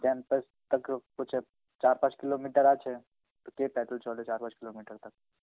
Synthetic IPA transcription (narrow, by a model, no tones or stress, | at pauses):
kɛ̃ːmpəs | t̪ɐkkʊt͡ʃʰɛ | t͡ʃaːɾpãːt͡ʃkɪlomiːʈəɾaːt͡ʃʰɛ | t̪okepɛːʈəlt͡ʃɔːd̪et͡ʃaːɾpãːt͡ʃkɪloːmiːʈəɾt̪ɐk̚